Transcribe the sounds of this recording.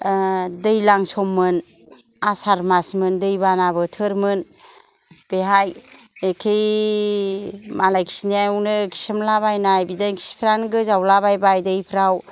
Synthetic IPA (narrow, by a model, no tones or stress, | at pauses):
dɯjlaŋsɔmːɯn | asaɾmasmɯndɯjbanabɯtʰɯɾmɯn | b̥eɦaj | ekʰej | malajkʰi̥siniajunɯkʰi̥sɯmlaβajnajbidankʰi̥si̥pʰiɾanɡɯzawlaβajbajdɯjpʰɾaw